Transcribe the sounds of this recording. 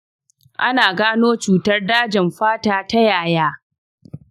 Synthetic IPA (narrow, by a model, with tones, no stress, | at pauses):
ʔa˦naː˨ɡaː˦noː˦t͡ʃuː˨tɐ˦rdaː˦d͡ʒɪ˨mɸaː˦taː˨ta˦jaː˨jaː˦